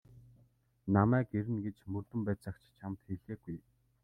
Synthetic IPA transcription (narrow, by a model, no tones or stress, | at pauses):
namæːkeɾɘ̆nɡet͡ɕmɵrt̪ɘ̆mpæːt͡săkt͡ɕt͡ɕʰamt̪xeɮeːɡuj